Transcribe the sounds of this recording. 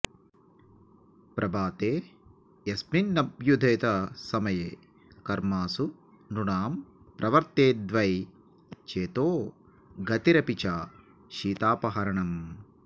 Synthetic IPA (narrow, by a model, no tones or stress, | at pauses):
pɾʔɐbʱaːt̪eː | ɐsminːɐbjud̪ʱeːt̪ɐsɐmɐjeː | kɐɾmaːsu | nuɳaːm | pɾʔɐʋɐɾt̪eːd̪ʋɐj | t͡ʃeːt̪oː | ɡɐt̪iɾɐpit͡ʃa | ʃiːt̪aːpɐɦɐɾɐɳɐm